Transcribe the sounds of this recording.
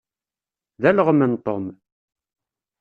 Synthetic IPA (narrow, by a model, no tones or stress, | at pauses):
ðæləʁmənt̪ˤom